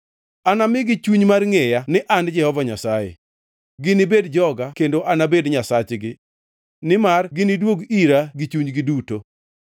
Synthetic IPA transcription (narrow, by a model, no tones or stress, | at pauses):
anamɪɡɪt͡ʃuɲmarŋejanɪʔand͡ʒɛhɔvaɲasajḛ | ɡɪnɪbedd͡ʒɔɡakendoʔanabedɲasat͡ʃɡɪ | nɪmarɡɪnɪdwoɡiɾaɡɪt͡ʃuɲɡɪduto